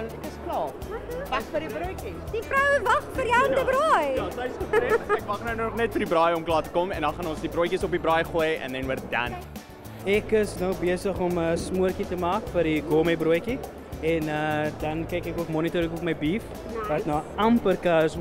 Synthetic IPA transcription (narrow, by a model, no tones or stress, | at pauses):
ntkəsklɑː | vɐχfəɾdibɾuəjkid̥ifrəwvɐχfəɾjəətəbɾɑjjɑtɐjsχəfɾiɛkvɐχnəwnnɔχnɛtfəɾdibɾɑjɔmklɑːtə̥kɔmɛndɐnχɐnɔnsdibɾujkisɔpibɾɑːjχujɛ̰ndɛnwəɾət̚dæ̰n | ɛkəsnɐwbiəsəχɔməsmuərkitəmɑːkfəɾdiɡoməbɾuəjki | ɛnədɐnkɛjkɛkuəkmɔnitoɾəkəpməjbif | vɐtnɑːɐmpərkɑːɾəs